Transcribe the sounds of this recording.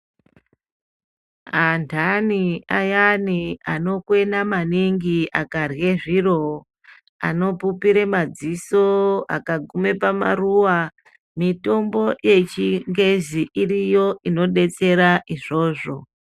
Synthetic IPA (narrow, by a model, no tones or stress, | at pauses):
antʰaniajaniano̞kwe̞namaniŋɡiakarɣe̞ʐiro̞ | a̰no̞pupiɾemad͡zisoa̰kaɡʱume̞pama̰ruwa | mito̞mbo̞je̞t͡ʃiŋɡeziʔirijo̞ʔino̞ɗe̞t͡se̞ɾaʔiʐo̞ːʐo̞